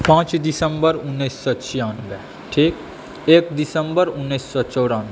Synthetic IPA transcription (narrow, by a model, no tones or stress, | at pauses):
pãːt͡ʃd̪ɪsə̃mbəɾʊnːisːɔt͡ʃʰijaːnɡɛ | ʈʰiːk | eːk̚d̪ɪsə̃mbəɾʊnːisːɔt͡ʃɔːɽaːn